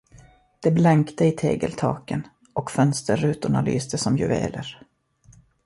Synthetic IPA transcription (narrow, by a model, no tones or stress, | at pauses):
d̪̥ɛblɛŋkt̪əɪt̪ʰeːɡəlt̪ʰɑːkən | ʔɔkfœnst̪əɾʉ̟ːt̪ʊɳaly̰ːst̪əsɔmjɵvḛːləɾ